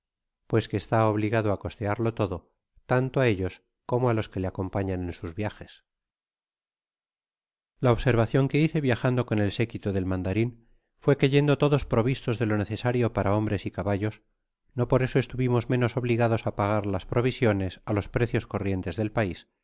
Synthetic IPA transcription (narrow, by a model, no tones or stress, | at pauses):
pwe̞skeːst̪aoβ̞liɣaðoako̞st̪eaɾlo̞t̪o̞ðo̞ | t̪ant̪oae̞ʎo̞s | ko̞moaloske̞leako̞mpaɲanẽ̞nsuzβjaxe̞s | laoβseɾβaθjo̞ŋke̞iθe̞βjaxand̪o̞ko̞ne̞lse̞kit̪oðe̞lmãnd̪aɾin | fwe̞keʝe̞nd̪o̞t̪o̞ðo̞spɾo̞β̞ist̪o̞zðe̞lo̞ne̞θe̞saɾjo̞paɾʔao̞mbɾe̞sikaβaʎo̞s | no̞po̞ɾe̞so̞e̞st̪uβimo̞zmẽ̞no̞so̞βliɣaðo̞sapaɣ̞aɾlaspɾo̞βisjo̞ne̞salo̞spɾe̞θjo̞sko̞rje̞nt̪e̞zðe̞lpais